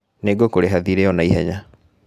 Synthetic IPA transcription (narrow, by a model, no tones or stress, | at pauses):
neɡokoɾeɦaðiɾeɔnaiɦɛɲa